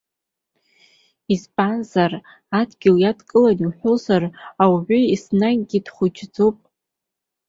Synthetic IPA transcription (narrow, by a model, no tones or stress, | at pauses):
ispʼanzar | adɡʲɪljadkʼɨlaniħʷozarawʕʷʏisnaɡɡʲid̥χʷʊd͡ʒʰd͡zopʼ